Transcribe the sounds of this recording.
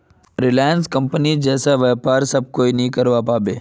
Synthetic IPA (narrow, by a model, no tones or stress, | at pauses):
ɾɪlaːjənskɐ̃mpənid͡ʒɛːsaʋɛːpaːɾsɐb̚koːinɐɦĩkɐɾʋapaːbeː